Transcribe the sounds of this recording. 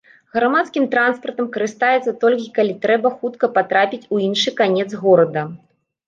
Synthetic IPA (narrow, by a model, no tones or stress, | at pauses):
ɣɾamat̪skʲimt̪ɾanspɐrt̪ɐmkɐɾɨst̪ajɛt̪sːɐt̪ɔlʲkʲikalʲit̪ɾɛbɐxut̪kɐpat̪ɾapʲit͡sʲuinʂɨkanʲɛt̪zɣɔɾɐd̪ɐ